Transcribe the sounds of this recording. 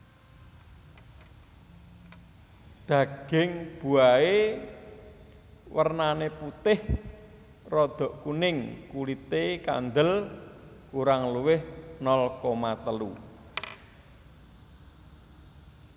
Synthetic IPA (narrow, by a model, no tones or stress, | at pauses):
d̪̥a̤ɡ̥ɪŋb̥ṳae | wərnaneput̪ɪh | rɔd̪̥ɔ̤ʔkunɪŋkulit̪eka̰nd̪əl | kuɾaŋluwɪhnɔlkɔmat̪əlṵ